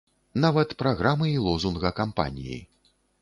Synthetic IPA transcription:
navɐt̪pɾaɣɾamɨilˠɔzunɣɐkampa̰nʲijḭ

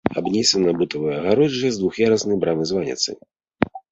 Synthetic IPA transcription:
a̰bnʲɛsʲɐnɐbut̪ɐvɨjɐɣaɾɔd͡ʒɛzd̪vuxjaɾɐsnɨjbɾamɨzvanʲɛ̰t̪sɨ̰

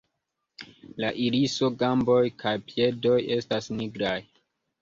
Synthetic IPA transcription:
laʔiliso̞ɡambo̞jkʰajpje̞do̞je̞stasniɡɾaj

